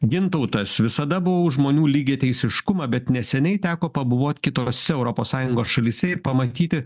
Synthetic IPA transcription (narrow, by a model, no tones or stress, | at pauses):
ɡʲɪnt̪ɔʊt̪ɐsʋʲɪsɐd̪ɐbʊʋoʊʒmoːnʲuːlʲiːɡʲeːt̪ʲɛɪsʲɪʃkʊmɐbʲɛt̪nʲɛsʲɛnʲɛɪt̪ʲæːkoːpɐbʊʋoːt̪ʲkʲɪt̪oːsʲɛɛʊɾɔpoːssɑːjʊŋɡoːsʃɐlʲiːsʲɛɪɾpɐmɐt̪ʲiːt̪ʲɪ